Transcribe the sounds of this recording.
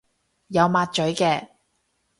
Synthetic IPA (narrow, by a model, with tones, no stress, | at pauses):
jɐ˨˧wmaː˧t̚t͡ʃɵ˨˥ɥkɛː˧